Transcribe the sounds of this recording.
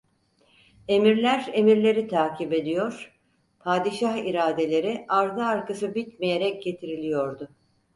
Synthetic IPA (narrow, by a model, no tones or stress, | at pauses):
e̞miɾlʲæɾe̞miɾlʲe̞ɾit̪ʰaːcʰibe̞d̪ijoɾ̥ | pʰaːd̪iʃaɦiɾaːd̪e̞lʲe̞ɾiʔaɾd̪ɯːɾkasɯbit̪meje̞ɾɛc̚ɟe̞t̪ʰiɾilʲijo̞ɾd̪ʊ